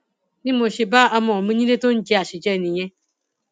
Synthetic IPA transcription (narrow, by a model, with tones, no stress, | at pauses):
nɪ̃˦mõ˨ɕɪ˨ba˦a˦mɔ̃˨mĩ˦ɲĩ˦ne˦tʊ̃˦ɲ̩˦d͡ʑi˦˨a˨ɕɪ˨d͡ʒɛ˦˨nĩ˨ɲɛ̃˦